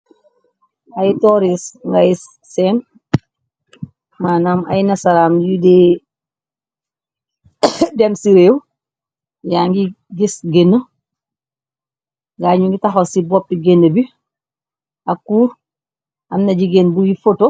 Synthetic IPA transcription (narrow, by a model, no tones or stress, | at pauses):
ajitɔɾisŋɡajis | sɛːn | maːnama̰jnɐsaɾaːmjude | dɛmsiɾeːw | jaŋɡi | ɡisɡenːə | ŋɡaɲuŋɡitaxosibɔpːiɡenːəbi | akuːɾ | amnɐɟiɡenbuɡifoto